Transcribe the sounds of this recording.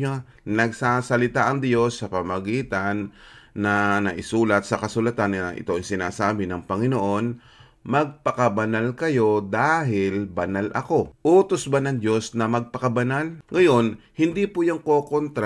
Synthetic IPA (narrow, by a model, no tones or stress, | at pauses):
a | nɐɡ̚saːsɐlɪt̪aʔɐŋd̪jo̞sːɐpɐmɐɡiːt̪anːɐnɐʔɪsuːlɐt̪̚sɐkɐsʊlɐt̪anŋɐʔɪ̰t̪o̞aŋsɪnaːsaːbɪnɐŋpɐŋɪnoʔo̞n | mɐɡ̚pɐkɐbɐnalkɐjo̞d̪aːɦɪlbɐnalʔɐ̰ko̞ʔuːt̪osbanɐŋd̪o̞snɐmɐɡ̚pɐkɐbɐnalŋɐjo̞n | hɪnd̪ipʊjaŋko̞ːkont̪ɾa